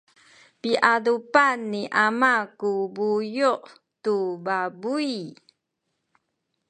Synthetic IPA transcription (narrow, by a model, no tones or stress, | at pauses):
piʔadupanːiʔamakubujuʔ | tubabui